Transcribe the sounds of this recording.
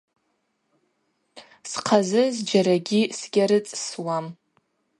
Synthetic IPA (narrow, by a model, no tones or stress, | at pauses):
sqʰazɨzd͡ʒaɾaɡʲisɡʲaɾɨt͡sʼswam